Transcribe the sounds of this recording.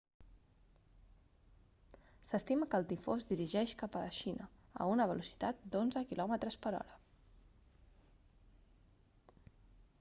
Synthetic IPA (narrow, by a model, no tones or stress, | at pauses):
səst̪iməkəːlˠt̪ifozd̪iɾiʒɛʃkapələʃinəə̰unəβ̞əlusi̥t̪at̪̚d̪onzəkilɔmət̪ɾəspəɾɔ̰ɾə